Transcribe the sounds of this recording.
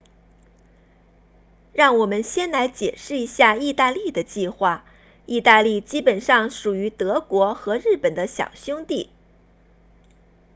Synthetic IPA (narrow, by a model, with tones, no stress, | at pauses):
ɻɑ˥˩ŋwɔ˨˩mə˦nɕjɛ˥nla˧˥ɪt͡ɕjɛ˨˩ʂɻ̩˥˩i˧˥ɕja˥˧i˥˧t̪a˥˧li˥˩d̪ə˩t͡ɕi˥˧xwa˥˩ | i˥˧t̪a˥˧li˥˩t͡ɕi˥pə˨˩nʂɑ˥˩ŋʂu˨˩y˧˥t̪ɤ˧˥kwɔ˧˥xɤ˧˥ɻɻ̩˥˩pə˨˩nd̪ə˦ɕjɑ̰˨˩ʊɕjʊ˥ŋt̪i˥˩